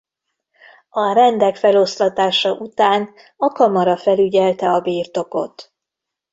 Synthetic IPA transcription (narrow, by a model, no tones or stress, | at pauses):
ɒɾɛnd̪ɛkfɛlo̞slɒt̪aːʃɒʔut̪aːn | ɒkɒmɒɾɒfɛlyɟɛlt̪ɛɒbiːrt̪o̞ko̞̰t̪